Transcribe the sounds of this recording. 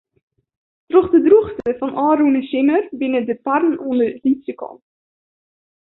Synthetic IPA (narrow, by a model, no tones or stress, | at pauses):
troχdədruχstəfɑnʔɑːɾunəʃɪnərbɪnədəpærnɔndərditsəkɑ̰n